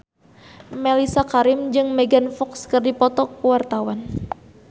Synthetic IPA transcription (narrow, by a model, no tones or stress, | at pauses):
melisakaɾɪmd͡ʒɨŋmeɡanfɔkskərdipɔt̪ɔkuwart̪awan